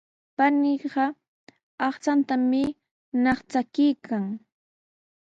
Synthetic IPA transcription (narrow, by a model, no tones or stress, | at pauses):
panɪɢɑ | ɑχt͡ʃant̪amɪ | nɑχt͡sakɪjkʰaŋ